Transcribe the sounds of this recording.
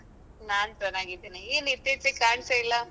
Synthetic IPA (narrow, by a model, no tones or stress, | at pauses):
naːnt͡ʃɛnaːɡid̪inieːniɾt̪iɾt̪ikaːɳseilːa